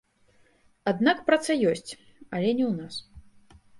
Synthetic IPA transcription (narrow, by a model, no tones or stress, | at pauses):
ad̪nakpɾɐt̪sɐjɔsʲt͡sʲ | ɐlʲɛnʲɛwnas